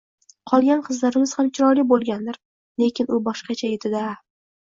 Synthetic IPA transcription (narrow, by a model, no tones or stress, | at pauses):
qʰɒlˠɡʲanqʰɨzlaɾɪmɪz̥hamt͡ʃʲʰɪɾɒjlibolˠɡʲand̪ɪɾ | le̞kʲʰɪnʊbɒʃqɑt͡ʃʰajet̪ʰɪd̪a